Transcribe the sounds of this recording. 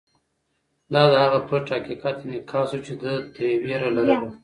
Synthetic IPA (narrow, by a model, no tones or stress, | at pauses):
lɑd̪əhaɣapəʈakikɑt̪enikʰɑːsut͡ʃed̪ət̪əweɾalaɾawu